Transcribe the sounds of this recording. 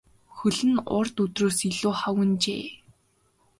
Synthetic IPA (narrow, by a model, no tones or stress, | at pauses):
xɵɮɘ̆nʊ̰rt̪ɵt̪roːsiɮuːχawɘ̆nt͡ɕḛː